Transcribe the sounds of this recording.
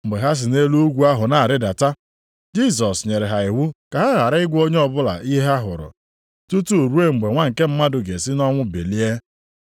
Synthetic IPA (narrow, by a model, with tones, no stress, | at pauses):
m̩˨ɡ͡be˨ɦa˦s̬ɪ˨ne˦lu˦u˦ɡʷu˦a˦ɦʊ˨na˨a˨ɾɪ˦da˨ta˦ | d͡ʒi˦˨s̬ɔ˨sɲe˨ɾɪ˨ɦa˨ɪ˨ɦu˦ka˨ɦa˦ɣa˨ɾa˦ɪ˦ɡʷo˦ɲe˦ɔ˦bʊ˦la̰˨ʔi˦ɦa˦ɦʊ̰˨ɾʊ̰˨ | tu˦tu˦˨ɾu˦e˦ŋ͡m̩˨ɡ͡be˨ŋʷa˦ŋ̩˨ke˦m̩˦ma˦dʊ˨ɡe˨sɪ˦nɔ˦ŋʷʊ˦be˨li˦e˦